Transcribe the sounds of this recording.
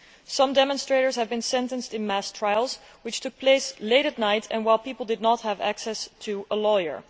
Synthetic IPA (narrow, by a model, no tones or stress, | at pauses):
sʌ̃mdɛmə̃nstɹ̥eɪɾə˞z̥hɨvbɨ̃nsɛ̃ntə̃nstɨ̃nmæstʰɹ̥aɪlˠz | wɨt͡ʃtʰʊk̚pʰleɪsleɪɾɨtⁿnaɪtʰɨ̰̃nwaɪlˠpipl̩ˠdɨdⁿnət̚həvæ̰ksɛstʰuəlɔjə̰˞